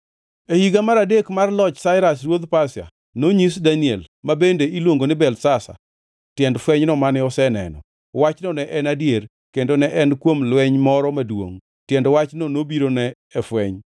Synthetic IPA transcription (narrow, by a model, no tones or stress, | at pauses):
ehiɡamaɾadekmarlɔt͡ʃsaɪɾas̬rwod̪pasja̰ | noɲisdaniɛlmabendeilwoŋɡonɪbɛlsasa̰ | tjɛndfwɛɲnɔmanɪɔsɛnɛ̰nɔ̰ | wat͡ʃnɔnɛʔɛnadjer | kendonɛʔɛnkwomlwɛɲmɔɾɔmadwo̰ŋ | tjɛndwat͡ʃnonobiɾonɛː | fwɛɲ